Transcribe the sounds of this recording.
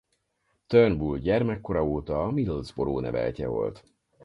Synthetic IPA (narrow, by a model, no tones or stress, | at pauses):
t̪ørnbulɟɛrmɛkːo̞ɾɒoːt̪ɒːmilozbo̞ɾoːnɛvɛ̰lcɛvo̞̰lt̪